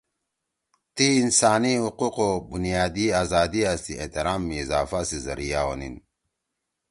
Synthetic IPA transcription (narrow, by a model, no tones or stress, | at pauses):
t̪iːnsaːniɦuquqobunijaːd̪iaːzaːd̪iast̪iḛht̪iɾaːmːiːzaːfasizɐ̰ɾijawo̰nḭn